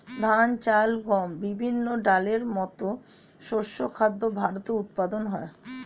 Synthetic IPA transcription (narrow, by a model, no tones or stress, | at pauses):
d̪ʱant͡ɕalɡɔmbibʱinːoɖaleɾmɔt̪o | ʃoʃːokʰad̪ːobʱaɾot̪eut̪̚pad̪onɦɔe